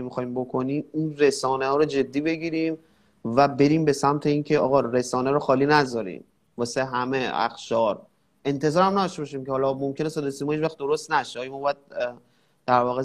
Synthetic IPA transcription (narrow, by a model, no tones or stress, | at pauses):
emixɒːiːmbo̞kʰo̞niːminɾe̞sɒːnehɒːɾod͡ʒe̞d̪ːiːbe̞ɟiːɾiːm | væbe̞ɾiːmbe̞sæmt̪ʰe̞iːncʰe̞ɒ̰ːɣɒɾe̞sɒːneɾoxɒːliːnæzɒːɾḭːm | vɒːseɦæmeæ̰xʃɒːɾ | e̞nt̪ʰe̞zɒːɾæmnæd̪ɔʃt̪e̞bɒʃ̬iːmcehɒːlɒmomcʰe̞nesæd̪esimɔhit͡ʃvæxt̪d̪o̞ɾost̪næʃeɒːjomɔːbɒjæd̪̚ | d̪̥æɾvɒːɣe